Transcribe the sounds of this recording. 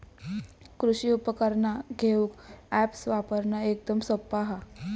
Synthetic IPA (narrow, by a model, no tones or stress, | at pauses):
kɾuɕiupəkəɾnaɡʱeuːkæpsʋapəɾnaek̚d̪əmsəpːaɦa